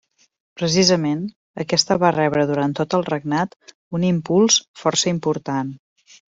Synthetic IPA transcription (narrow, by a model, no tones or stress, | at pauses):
pɾəs̬izəmen | əkɛst̪əβarɛβɾəðuɾant̪ot̪əlˠrəɡ̚nat̪ | unimpulˠsfɔɾsəimpuɾt̪an